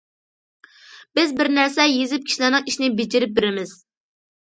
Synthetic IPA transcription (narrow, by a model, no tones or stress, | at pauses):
b̥ɪzbɪɾnæɾsɛjezɪp̚kʲi̥ʃilænɨŋiʃinɪbɪd͡ʒɪɾɪp̚beɾɪmɪz̥